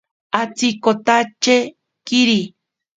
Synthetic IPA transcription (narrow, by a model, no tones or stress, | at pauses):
at͡sikot̪at͡ʃe | kiɾi